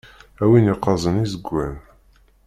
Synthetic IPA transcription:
æwiniqːɑzˤənizəɡʷːæn

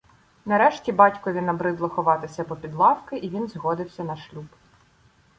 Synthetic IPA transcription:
nɐɾɛʃtʲibɑtʲkɔʋʲinɐbɾɪd̪lˠɐxɔʋɑt̪ɪsʲɐpɔpʲid̪lˠɑwkɪʔiʋʲinzɦɔd̪ɪwsʲɐnɐʃlʲub

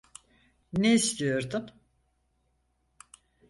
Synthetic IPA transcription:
neist̪ʰijo̞ɾd̪ʊm

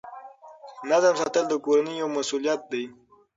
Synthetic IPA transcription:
nazamsat̪əld̪əkoɾanijawmasulijat̪̚d̪aj

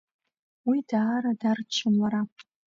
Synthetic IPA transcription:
widaːɾadart͡ʃʰɨmaɾa

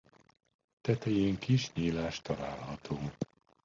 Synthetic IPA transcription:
t̪ɛt̪ɛjeːŋkiʃɲiːlaːʃt̪ɒla̰ːlɦɒt̪ʰoː

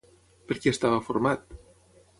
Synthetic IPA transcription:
peɾkeest̪aβafuɾmat̪

